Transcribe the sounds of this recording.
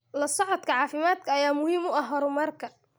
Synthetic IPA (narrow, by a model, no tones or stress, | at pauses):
lɐsɔʕɔd̪kʰɐʕɑːfɪmaːd̪kʰɐːjaːmʊhiːmʊɐɦɔɾʊmɐrkʰɐ